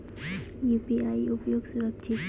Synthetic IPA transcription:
jupiaiupjoɡsuɾəkt͡ʃʰit̪

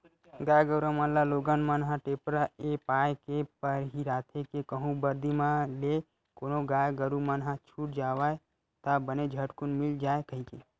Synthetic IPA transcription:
ɡajɡəɾamanlaloɡənmənɦãʈepɾaepajkepəɾɦiɾaːt̪ʰekekəɦũbəɾd̪imãle | konoɡajɡəɾumanɦãt͡ʃʰuʈd͡ʒaʋaj | t̪abəned͡ʒʱəʈkunmild͡ʒaːekəɦike

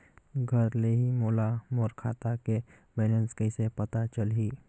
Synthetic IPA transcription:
ɡʱəɾleɦimoːlamoːɾkʰa̰ːt̪ake | bɛːlə̃nskəɪsepɐt̪at͡ʃəlɦiː

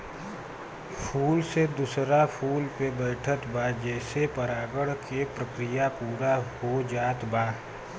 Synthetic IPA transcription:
pʰuːlsed̪usɾapʰuːlpebɛːʈʰət̪bad͡ʒɛːsepəɾaːɡəɽkepɾəkɾijapuːɾaɦhod͡ʒaːt̪baː

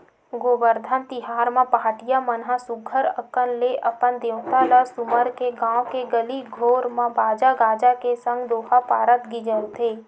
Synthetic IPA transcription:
ɡoːbəɾd̪ʱənt̪ɪɦaːɾmãpəɦaːʈijamənɦãsʊɡʰʱəɾəkənleʔəpənd̪ewt̪aləsʊməɾkeɡãːwkeɡəliɡʱoːɾmãbaːd͡ʒaɡaːd͡ʒakesə̃ŋɡd̪oːhapaːɾət̪ɡid͡ʒəlt̪eː

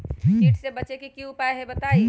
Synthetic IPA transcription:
iːʈʰsebɐt͡ʃekikiupaːeɦebɐt̪aːi

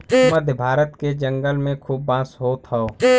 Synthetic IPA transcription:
mɐd̪ʱjəbʱaːɾət̪ked͡ʒə̃ŋɡəlmẽkʰuːbːãːsɦoːt̪ʰɦəo

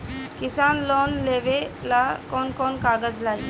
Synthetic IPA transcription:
kisanlɔnleʋelakɔnkɔnkaɡəd͡zlai

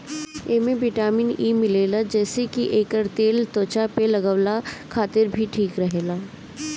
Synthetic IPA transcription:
eːmẽʋɪʈaːminiːmɪleːlad͡ʒɛːsekiʔeːkəɾt̪eːlt̪oːt͡ʃapelɐɡəʋlakʰaːt̪ɪɾbʱiʈʰiːkɾɐɦeːlaː

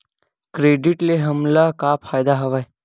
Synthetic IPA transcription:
kɾeːɖiʈleɦəmlakapʰaːjd̪aɦəʋaj

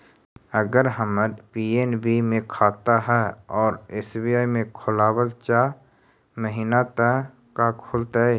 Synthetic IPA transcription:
əɡəɾɦəməɾpiːeːnbimẽkʰaːt̪aɦɛːɔːɾeːsbijaːimẽkʰʊlaːwəlt͡ʃa | məɦiːnat̪ə | kakʰʊlt̪aɛ

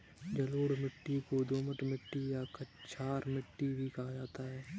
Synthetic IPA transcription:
d͡ʒəloːɽmɪʈːikod̪oːməʈmɪʈːijakət͡ʃʰaːɾmɪʈːibʱikad͡ʒaːt̪aɦɛː

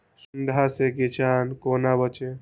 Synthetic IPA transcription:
sund̪ʱaseɡit͡ʃankonabət͡ʃe

